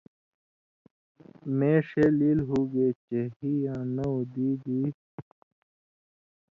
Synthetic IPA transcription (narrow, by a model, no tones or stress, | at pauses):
mẽːʂeliːlɦuːɡeːt͡ɕeɦijãːnɐud̪iːd̪iː